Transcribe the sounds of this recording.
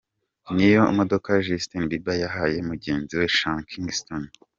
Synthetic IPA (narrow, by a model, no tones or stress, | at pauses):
nijo̞ṵmodo̞kaʒistinbibajaɦaje̞muɟe̞ːnziwe̞ʃãŋkʰiŋɡston